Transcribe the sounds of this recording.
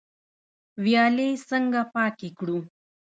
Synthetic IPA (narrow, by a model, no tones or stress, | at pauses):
wjɑlesəŋɡapɑkekɽu